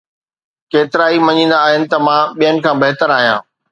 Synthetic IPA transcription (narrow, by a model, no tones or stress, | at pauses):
keːt̪ɪɾaːimɐɲĩːn̆d̪aːɦɪnɪ̆t̪ɐmãːɓijənɪ̆kʰãːbɐɦt̪əɾaːɦijã̰ː